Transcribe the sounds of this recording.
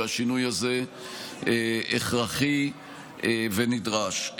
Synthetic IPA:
aʃinujhaze̞ | eḛχʁaχi | venidʁaʃ

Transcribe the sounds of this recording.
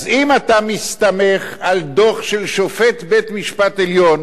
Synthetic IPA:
zimat̪amist̪ameχald̪oχʃelʃofet̪bet̪miʃpat̪eljon

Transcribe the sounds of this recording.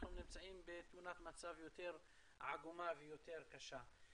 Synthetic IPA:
χnumnimt͡saimbet̪munat̪mat͡savjo̞t̪e̞ʁ | ʕaɡumavejo̞t̪e̞ʁkaʃa

